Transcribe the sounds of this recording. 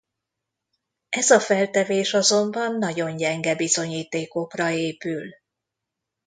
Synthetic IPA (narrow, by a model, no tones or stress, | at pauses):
ɛzɒfɛlt̪ɛveːʃɒzo̞mbɒnːɒɟo̞nɟɛŋɡɛbizo̞ɲiːt̪eːko̞krɒeːpyl